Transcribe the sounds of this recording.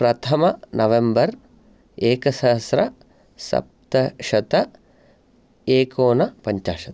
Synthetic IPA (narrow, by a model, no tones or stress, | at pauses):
pɾɐt̪ʰɐmɐnɐʋembɐɾ | eːkɐsɐɦɐsɾɐ | sɐ̰p̚t̪ɐʃɐt̪ɐ | eːkoːnɐpɐɲt͡ʃa̰ːʂɐt̪ɐ̥